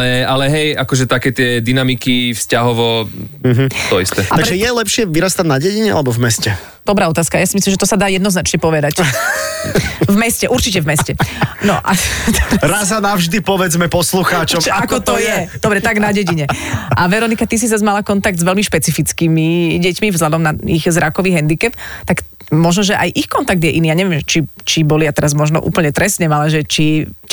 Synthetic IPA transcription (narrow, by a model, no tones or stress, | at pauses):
ɛalɛɦɛjakɔʒɛt̪akɛːt̪ɪɛd̪inamikifscaɦɔʋɔɦ̩t̪ɔist̪ɛaaɾɡʒɛjɛlɛpʃɪɛʋiɾast̪amnaɟɛɟiɲɛa̰lɛbɔvmɛscɛ | d̪̥ɔbɾaːɔt̪aːskajasimislimʒɛt̪ɔsad̪aːjɛd̪nɔznat͡ʃɲɛpɔʋɛd̪ac | vmɛscɛʔuɾt͡ʃicɛvmɛscɛnɔ̰ʔa | ɾazanavʒd̪ipɔʋɛd͡zmɛpɔsluxaːt͡ʃɔmaakɔt̪ɔjɛd̪ɔbɾɛt̪aɡnaɟɛɟiɲɛʔaʋɛɾɔnikat̪is̬izazmalakɔnt̪aɡ̚d̪zʋɛlmiʃpɛt͡sifit͡skimiɟɛcmivzlʎad̪ɔmnaiɣzɾakɔʋiːɦɛnd̪ikɛpt̪ak | mɔʒnɔʒɛʔajʔixkɔnt̪aɡ̚d̪jɛʔinijaɲɛʋjɛmʒɛt͡ʃit͡ʃibɔliat̪ɛɾazmɔʒnɔ̰ʔṵːpl̩ɲɛt̪ɾɛsɲɛmalɛʒɛt͡ʃi